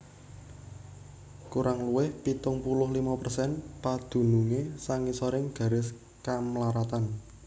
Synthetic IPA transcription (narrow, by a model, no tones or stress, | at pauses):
kuɾʔaŋluwɪhpit̪ʊŋpulʊɦlimapərsɛnpad̪̥ṳnuŋesaŋisoɾɪŋɡ̥ä̤ɾɪs | kamlaɾat̪an